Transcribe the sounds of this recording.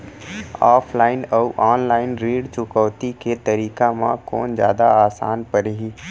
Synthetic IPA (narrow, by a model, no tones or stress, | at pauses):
aːpʰlaːɪnəwʔaːnlaːɪnɾeːɖt͡ʃʊkɔːt̪iket̪ɐɾiːkamã̰kɔːnzja̰ːd̪aaːsa̰ːnpəɾɦiː